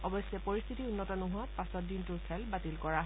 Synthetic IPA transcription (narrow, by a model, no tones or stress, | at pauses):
ɔbɔsɛpoɹist̪ʰitiunːɔtɔnuɦuatpasɔt̚dintʊɹkʰɛlbatilkɔɹaɦ